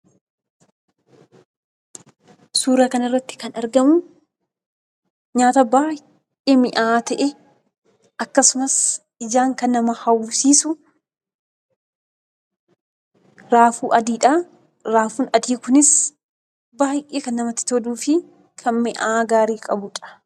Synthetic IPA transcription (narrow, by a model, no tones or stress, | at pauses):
suːɾakɐnɪrːɐt̪ːɪ̥kɐnɐɾɡɐmʊ | ɲaːt̪ɐbaː | ʔeːmɪʔaːt̪ɐʔɛ | ɐkːɐsʊmɐs | ɪd͡ʒaːŋkɐnːɐmɐhɐwsiːsʊ | ɾaːfuːʔɐd̪iːᶑa | ɾaːfuːnɐd̪iːkʊnɪs | baːjʔeːkɐnːɐmɐt̪ːɪ̥t̪ɔd̪uːfɪ | kʰɐnmɪʔaɡaːɾiːkʼɐbʊᶑɐ̥